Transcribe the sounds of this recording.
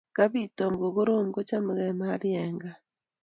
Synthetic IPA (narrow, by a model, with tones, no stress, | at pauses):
ka˦βiːtomɡo˨ɣo˦ɾo˦ŋ˦ɡo˦t͡ʃa˦muɣemaɾjeːŋɡa˨